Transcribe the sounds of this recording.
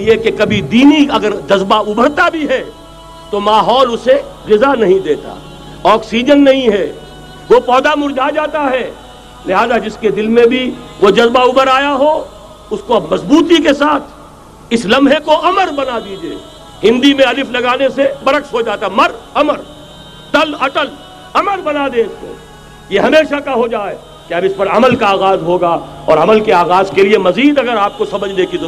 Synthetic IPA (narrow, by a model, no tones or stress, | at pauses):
jekekɐbʱid̪iːniɐɡəɾd͡ʒɐzbaʊbʱəɾt̪abʱiɦɛ | t̪omaːɦɔːlʊse | ɣɪzanɐɦĩd̪eːt̪a̰ | ɔːksiːd͡ʒənːɐɦĩɦɛː | ʋopɔːd̪amʊɾd͡ʒʱad͡ʒaːt̪aɦɛː | lɪɦaːzad͡ʒɪsked̪ɪlmẽbʱiʋod͡ʒɐzbaʊbəɾaːjaɦo | ʊskoɐbmɐzbuːt̪ikesaːt̪ʰ | ɪslɐ̃mɦekoʔɐməɾbɐnad̪iːd͡ʒḛː | hɪ̃nd̪imẽɐlɪfʰlɐɡaːnesebɐɾəkʃɦod͡ʒaːt̪aɦɛmɐɾɐməɾ | t̪əlɐʈəl | ɐməɾbɐnaːd̪eɪsko̰ː | jeɦɐmeːʃakaɦod͡ʒaːe | keɐbɪspɐɾɐməlkaːɣaːzɦoːɡaːɔːɾɐməlkeaːɣaːzkeliemɐziːd̪ɐɡəɾaːp̚kosɐməd͡ʒʱnekid̪ʊ